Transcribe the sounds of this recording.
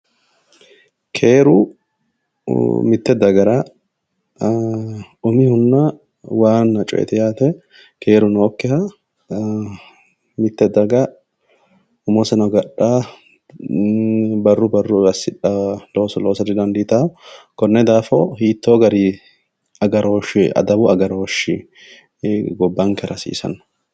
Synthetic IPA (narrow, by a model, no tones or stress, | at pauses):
kʰeːɾʊ | mɪt̪ːɛd̪ɐɡɐɾa | ʊmihʊnːa | waːnɐt͡ʃʼɔ̰ʔɛ̰t̪ɛjaːt̪ɛ | kʰe̞ːɾʊnoːkːɛhɐ | mɪt̪ːɛd̪ɐɡa | ʊmosɐnɐɡɐᶑːaː | bɐrːʊbɐrːʊɐsɪᶑaloːsɔloːsɐd̪ɪd̪ɐnd̪it̪a | kɔnːɛd̪aːfo̰hiːt̪ːoːɡɐɾi | ɐɡɐɾoːʃɪɐ̰d̪ɐbʊɐɡɐɾoːʃɪ | ɡɔbːaŋkɛɾɐsḭːsɐ̰n